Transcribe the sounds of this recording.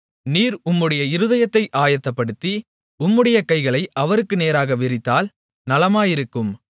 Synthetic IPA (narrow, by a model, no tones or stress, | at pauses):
niːɾʊmːɯɽɐjɐɪɾɯðɐjɐt̪ːɐɪʔaːjɐt̪ːɐpːɐɽɯt̪ːi | ʊmːɯɽɐjɐkɐɪɣɐɭɐɪɐʋɐɾɯkːɯneːɾaːɣɐʋɪɾɪt̪ːaːl | nɐlɐmaːjɪɾɯkːɯm